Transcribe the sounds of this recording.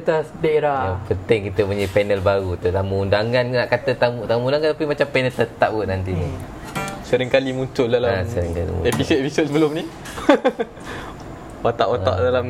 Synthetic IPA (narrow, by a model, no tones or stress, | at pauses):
t̪asdaeɾaapənt̪ɪŋkit̪əpuɲəpɛnəlbaɾut̪ət̪aməundaŋãnnaʔkat̪ət̪amut̪aməundaŋat̪apimat͡ʃampɛnəlt̪ət̪ap̚ɡəʔnant̪ini | səɾɪŋkalimũɲt͡ʃʊldalaasəɾiŋka̰lḭmṵepisod̪̚episot̪̚sbəlʊmnĩ | wat̪a̰ʔwaa̰ʔdalam